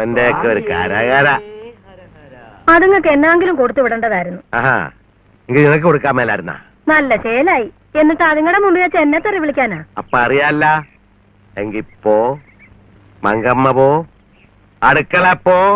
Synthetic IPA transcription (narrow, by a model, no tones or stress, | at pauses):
ɐndejokːɨoɾuka̰ːɾaːɣaːɾɐ | ɐðuŋːɐkːenːaːŋɡilumkoɽut̪ːuʋiɽɐɳɖɐðaːjiɾunːuaːɦa̰ː | eŋɡilɲinɐk̬ːɨkoɽukːaːmeːlːaːiɾunːa̰ | nɐlːɐɕejɐlaːji | e̞nːiʈːɨɐðuŋːɐɽemumbijɐt͡ɕːenːɐt̪ːɐriʋiɭikʲːaːnaːɐpːoɐrijaːlːɐ | eŋɡilipːoː | mɐŋɡɐmːɐpoː | ɐɽukːɐɭɐpːoː